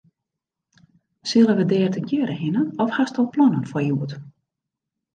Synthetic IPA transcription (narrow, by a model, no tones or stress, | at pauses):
sɪlˠənʋədɛːrtəkjøːɾəhɪnənɔfhastɔlˠplɔnənfɔrjuət